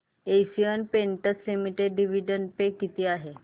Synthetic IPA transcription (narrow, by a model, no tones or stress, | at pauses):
esiənpeɳʈət͡slimiʈeɖːiʋiɖəɳɖpekːit̪iːaɦe